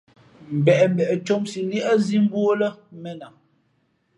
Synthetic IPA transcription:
m̩˨bɛ˨ʔm̩˦bɛ˨ʔɛ˨t͡ʃo˦msi˨li˦ʔa˦zi˦m˦bwo˦lə˦mɛ˦na˨

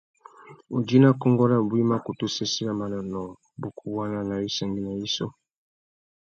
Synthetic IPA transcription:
u˨d͡ʒi˦na˦kɔ˦ŋɡɔ˦la˦˨bwi˦ma˦ku˨tu˦se˦si˦la˦ma˨nɔ˨nɔ˨ | bu˨ku˨wa˦na˦na˨i˦sa˨ŋɡi˦na˨i˦sɔ˦

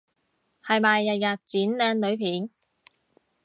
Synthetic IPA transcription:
hɐ˨jmaː˨jːɐ˨t̚jɐ˨t̚t͡siː˨˥nlɛː˧nlɵ˨˥ɥpʰiː˨˥n

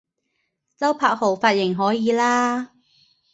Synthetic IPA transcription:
t͡sɐ˥wpʰaː˧k̚ho˨˩wfaː˧t̚jɪ˨˩ŋɦɔː˨˥jiː˨˧laː˥

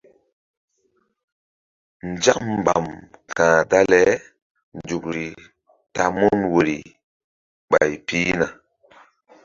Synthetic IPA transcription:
nd͡ʒa˦mːba̰˨mkã˨da˦lɛ˦ | nd͡ʒu˨kɾi˨ | ta˨mu˦nwo˨ɾḭ˨ | ɓa˨jpi˦na˨

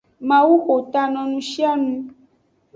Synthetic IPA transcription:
mã˨wu˦ʔo˨t̪a˧nɔ̃˨nũ˦ʃi˦a˦nũ˧

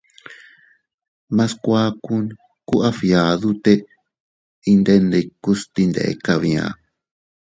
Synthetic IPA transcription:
mã˧skʷa˦ku˦n | ku˦ʔa˦fja˨ðu˦t̪e˦ | i˧nd̪e˦ne˧ku˦st̪i˧nd̪ḛ˨ḛ˧ka˧βĩ˧ã̰˧

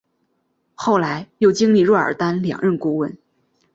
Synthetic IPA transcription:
xo˥˩ʊla˧˥ɪjo˥˩ʊt͡ɕi˥ŋli˥˧ɻɔ˥˩ə̰˞˨˩t̪a˥nljɑ̰˨˩ŋɻə˥˩nku˥wə˥˩n

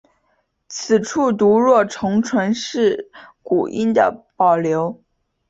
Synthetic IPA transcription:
t͡sʰɹ̩˨˩ʈ͡ʂʰu˥˩t̪u˧˥ɻwɔ˥˩ʈ͡ʂʰɤ˧˥ŋʈ͡ʂʰwə˧˥nʂɻ̩˥˩ku˨˩ʔi˥nd̪ə̰˨˩pɑ˨˩ʊljo˧˥ʊ

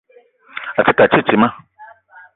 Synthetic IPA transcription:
a˨t͡ʃi˦ta˨t͡ʃe˦˨t͡ʃi˨mã˦

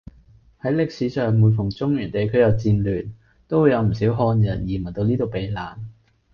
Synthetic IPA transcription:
hɐ˨˥jlɪ˨k̚siː˨˥sœː˨ŋmuː˨˧nfʊ˨˩ŋt͡sʊ˥ŋjyː˨˩nt̪e˨jkʰɵ˨˧jɐ˨˧wt͡siː˧nlyː˨˩n | t̪o˥wu˨˧jɐ˨˧wm̩˨˩si˨˥wɦɔː˧njɐ˨˩njiː˨˩mɐ˨˩t̪o˧wniː˥t̪o˨wpe˨˧jlaː˨n

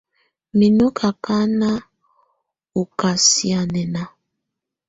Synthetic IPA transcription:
mi˨nu˦kʰa˨ka˦na˦ | u˨ka˨si˨a˨nɛ˨na˨

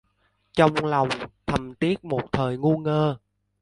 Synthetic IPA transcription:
t͡ɕɔ˧wŋ͡mla˨˩wŋ͡mt̪ʰə˨˩mt̪i˦˥ət̚mo˨˩t̚t̪ʰəː˨˩jŋu˧ŋəː˧

